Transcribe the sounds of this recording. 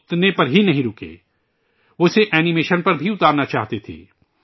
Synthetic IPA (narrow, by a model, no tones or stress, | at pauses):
t̪nepɐɾɦinɐɦĩɾʊkḛː | ʊseʔɛːnɪmeːʃənpɐɾbʱiʊt̪aːɾnat͡ʃaːɦt̪et̪ʰḛː